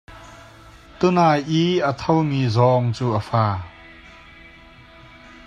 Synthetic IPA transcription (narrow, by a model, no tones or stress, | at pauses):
t̪ʊnaːjʔiʔət̪ʰɔwmiːzɔŋt͡suːʔəfaː